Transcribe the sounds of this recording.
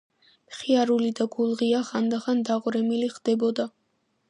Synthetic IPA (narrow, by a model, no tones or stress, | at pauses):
pχiaɾulid̪aɡulˠʁiaχand̪aχand̪aʁɾɛmiliχd̪̥ɛbɔd̪a